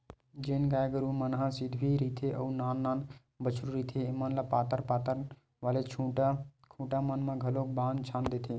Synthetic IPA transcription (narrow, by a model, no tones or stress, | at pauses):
d͡ʒeːnɡaːɡəɾumənɦãsɪd̪ʱbiɾiːt̪ʰeʔəunaːnːaːn | bət͡ʃʰɾuɾiːt̪ʰeimaːnlapaːt̪əɾpaːt̪əɾ | ʋaːlet͡ʃʰuʈakʰũːʈamənmãɡʱəloːk̚bãːnt͡ʃʰãːnd̪eːt̪ʰeː